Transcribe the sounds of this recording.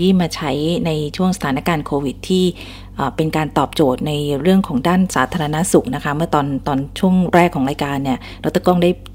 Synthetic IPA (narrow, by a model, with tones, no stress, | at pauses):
i˥˩maː˧t͡ɕʰa˦˥jna˧jt͡ɕʰu˥˩əŋsa˧t̪ʰaː˩˦na˦˥kaː˧nkʰoː˧wi˨˩t̪ʰːiː˥˩ | ʔaː˨˩pe˧nkaː˧nt̪ɔː˨˩p̚t͡ɕoː˨˩t̪̚na˧jɾɯ˥˩əŋkʰɔː˩˦ŋdaː˥˩nsaː˩˦t̪ʰaː˧a˧na˦˥su˨˩k̚na˦˥kʰa˦˥mɯ˥˩ɐt̪ɔː˧nt̪ɔː˧nt͡ɕʰu˥˩əŋɾɛː˥˩kʰɔː˩˦ŋɾaː˧jkaː˧nːi˥˩ | ɾo˦˥t̪ʰːa˧kɔ˥˩ŋdaː˥˩j